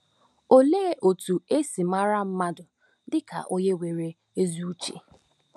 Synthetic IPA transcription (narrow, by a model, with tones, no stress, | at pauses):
o˨leː˦˨ʔo˨tu˨e˦si˨ma˦ɾa˦m̩˦ma˦dʊ˨ | dɪ˦ka̰˨ʔo˦ɲe˦we˨ɾe˨ | e˦zu˦u˦t͡ʃḛ˨